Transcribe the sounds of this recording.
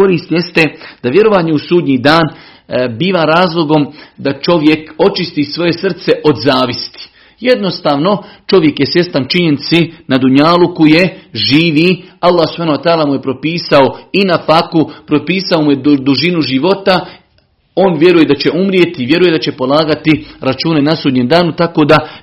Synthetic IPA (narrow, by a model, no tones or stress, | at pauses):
koɾiːst̪je̞st̪e̞d̪̥aʋje̞ɾo̞ʋaːɲeusuːd̪ɲiːd̪aːn | biːʋaːɾaːzlˠo̞ɡo̞md̪at͡ʃo̞ʋje̞ko̞t͡ʃist̪iːsʋo̞je̞sr̩t̪se̞ʔo̞d̪zaːʋist̪i̥ | jed̪no̞st̪aːʋno̞t͡ʃo̞ʋje̞kje̞sje̞st̪ant͡ʃiɲenit̪sinad̪uɲaːlukuje̞ʒiːʋialˠːaːhsub̥haːnawat̪aːlamuje̞pɾo̞piːsao̞inafakupɾopiːsaomuje̞d̪uʒinuʒiʋo̞t̪a | oːnʋje̞ɾuje̞d̪at͡ɕe̞ʔumɾijet̪iʋje̞ɾuje̞d̪at͡ɕe̞po̞lˠaːɡat̪iɾat͡ʃuːne̞nasuːd̪ɲemd̪aːnut̪ako̞ːd̪a